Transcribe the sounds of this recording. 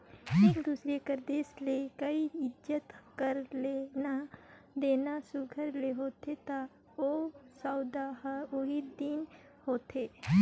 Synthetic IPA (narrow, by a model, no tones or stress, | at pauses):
eːkd̪uːsɾekəɾd̪eːslekəiɪd͡ʒjət̪kəɾlena | d̪eːnasʊɡʱəɾleɦoːt̪et̪a | osaːd̪ahəoɦid̪in | hoːt̪eː